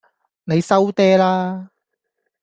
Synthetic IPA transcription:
ne˨˧jsɐ˥wt̪ɛː˥laː˥

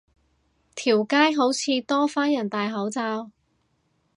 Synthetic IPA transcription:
t̪ʰiː˨˩wkaː˥jɦo˨˥wt͡sʰiː˨˧t̪ɔː˥faː˥njɐ˨˩nt̪aː˨jɦɐ˨˥wt͡saː˧w

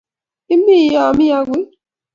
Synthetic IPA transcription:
i˦mi˦˨˦ja˨mi˦ja˦ɡwi˦

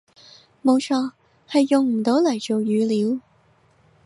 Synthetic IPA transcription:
mo˨˧wt͡ʃʰɔː˧˥ | hɐ˨˧jːʊ˨ŋm̩˨˩t̪o˨˥wlɐ˨˩jʈ͡ʂo˨wjyː˨˧˥liː˨˥w

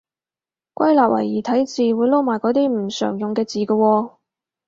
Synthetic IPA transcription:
kʷɐ˥jlaː˨p̚wɐ̰˨˩jjiː˨˩t̪ʰɐ˨˥jt͡siː˨wuː˨˧jlo˧˥wmaː˨˩jkɔː˨˥t̪iː˥m̩˨˩sœ̰ː˨˩ŋjʊ˨˩ŋkɛː˧t͡siː˨kə˧wɔː˧

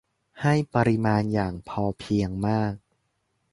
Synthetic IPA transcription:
ha˥˩jpa˧ɾi˧maː˧njaː˨˩ŋpʰɔː˧pʰi˧əŋmaː˥˩k̚

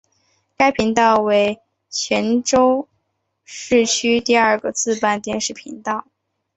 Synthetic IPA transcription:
ka˥ɪpʰi˧˥ŋt̪ɑ˥˩ʊwe˧˥ɪ | t͡ɕʰɥɛ˧˥nʈ͡ʂo˥ʊ | ʂɻ̩˥˩t͡ɕʰy˥t̪i˥˧ə˞˥˧ɡə˧t͡sɹ̩˥˧pa˥˧nt̪jɛ˥˧nʂɻ̩˥˩pʰḭ˧˥ŋt̪ɑ˥˩ʊ

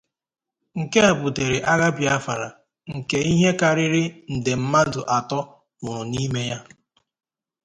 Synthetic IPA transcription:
ŋ̩˨ke˦e˨bʊ˨te˨ɾɪ˨ʔa˦ɣa˦bja˦fa˨ɾa˨ | ŋ̩˨ke˦i˦ɦe˦ka˨ɾɪ˦ɾɪ˦n̩˨dɪ˨m̩˦ma˦dʊ˨ʔa˨tɔ˦ | ʊ˨ɾʊ˨ni˦me˦ja˦

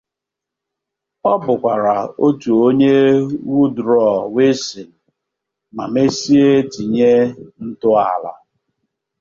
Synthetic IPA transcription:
ɔ˦bʊ˨kʷa˨ɾa˨o˦tu˨o˦ɲe˦wu˦dɾɔ˦˨we˦si˨n̩˨ | ma̰˨me˦si˦e˦ti˨ɲe˦n̩˦tʊ˦a̰˨la̰˦

